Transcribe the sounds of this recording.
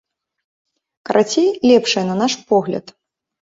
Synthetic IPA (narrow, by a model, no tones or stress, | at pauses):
kɐɾʔat͡sʲejlʲɛpʂɐjɐnɐnaʂpɔɣlʲɐ̰t̪